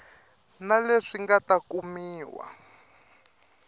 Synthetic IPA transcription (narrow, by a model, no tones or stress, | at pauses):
naleʂiŋɡatakumiːwa̰